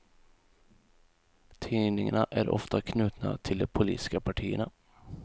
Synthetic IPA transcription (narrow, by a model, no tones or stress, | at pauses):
t̪ʰiːnɪŋaɳaʔæɾʔɔ̰ft̪akʰnʉ̟ːt̪na̰t̪ʰɪld̪ɛpʰʊlḭːt̪ɪ̥skapʰaʈʰiːəɳa